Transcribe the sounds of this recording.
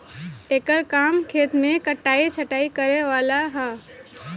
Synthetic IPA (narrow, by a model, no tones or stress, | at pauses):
ʈeːkəɾkaːmkʰeːt̪mẽkəʈːaːit͡ʃʰəʈaːikəɾeʋaːlaɦɛː